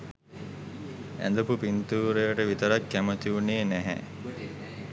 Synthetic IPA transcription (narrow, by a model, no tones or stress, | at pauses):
æ̰nd̪əpupint̪uːɾejəʈəʋit̪əɾakːæmət̪iunejənæɦɛ̰